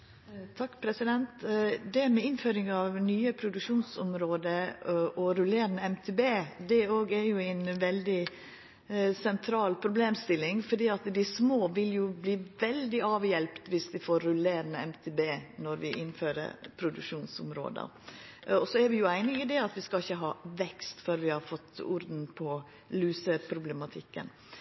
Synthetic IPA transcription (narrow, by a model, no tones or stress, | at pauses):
t̪ʰɑkːpʰɾɛsɪd̪ɛnt̪d̪ɛmɛɪnføːɾɪŋɑʋnyːəpʰɾʊd̪ʉkʂuːnsʊmɾoːd̪əʔɔɾʉleːɾnəɛmt̪ʰeːbeːd̪ɛoːɡæɾjʊæɪnʋɛld̪ɪ | sɛnt̪ʰɾɑːlpʰɾʊbleːmst̪ɪlːɪŋfɔɖiːɑt̪d̪ɪsmoːʋɪljʊbliːʋɛld̪ɪɑːʋjɛlpt̪ʋɪsd̪ɪfoːɾːʉleːɾənəɛmt̪ʰɛːbeːnɔɾʋɪʔɪnføːɾə̰ɾpʰɾʊd̪ʉkʂuːnsʊmɾo̰ːd̪ə̰ | ɔsɔæɾʋɪjʊæɪnəɪd̪ɛɑt̪ʋɪskɑɪçːəɦɑːʋɛkst̪føːɾʋɪhɑɾfɔt̪ːʊ̰ɾd̪n̩pʰɔ | lʉːsəpʰɾʊblɛmɑt̪ʰɪkːə̰n